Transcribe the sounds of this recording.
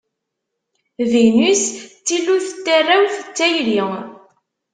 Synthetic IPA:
vinist͡sːilːuθət̪ːarːawθət͡sːæjliŋ

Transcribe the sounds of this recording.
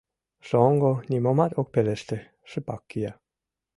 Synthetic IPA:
soŋɡonʲimomat̪ok̚pelest̪e | ʂəpɑkːija

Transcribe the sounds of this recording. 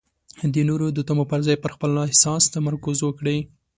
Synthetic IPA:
d̪ənoɾod̪ət̪amopaɾzɑjpəɾxpəlɑhsɑst̪amaɾkuzwəkɽə

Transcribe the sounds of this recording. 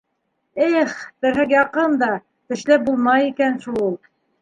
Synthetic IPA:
æχb̪ɘ̆ɾɦɘkjɑqɤnd̪ɑ | t̪ɘ̆ʃlæp̚bulˠmɑjikænʃulˠulˠ

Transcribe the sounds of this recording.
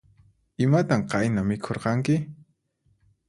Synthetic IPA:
ɪmat̪aɴqɑjnamɪkʰoɾqɑŋkɪ

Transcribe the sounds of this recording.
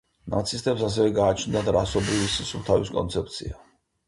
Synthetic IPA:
na̰t̪sʰist̪ʼɛps̬as̬ɛvɛɡaːt͡ʃʰnd̪ad̪ɾa̰sɔbɾivisisut̪ʰaviskʼɔ̰nt̪sʰɛp̚ʰt̪sʰḭa

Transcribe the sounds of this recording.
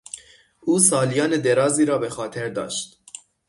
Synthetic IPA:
uːsɒːlijɒːned̪eɾɒːziːɾɒːbexɒːt̪ʰeɾd̪ɒ̰ːʃt̪

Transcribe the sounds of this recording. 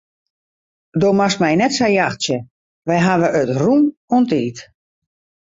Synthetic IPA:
doːmastmɛjnɛtsajaxsjə | ʋɛjɦaʋəʔətrumɔntiːt

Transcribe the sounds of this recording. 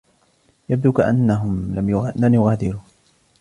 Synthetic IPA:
jab̚d̪uːkaʔanːaɦʊmlamjʊɣlamjʊɣaːd̪ɪɾuː

